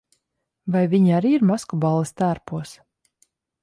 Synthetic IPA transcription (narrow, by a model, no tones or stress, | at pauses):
vajviɲiaɾiːiɾmaskubɑlˠːist̪æːɾpuɔs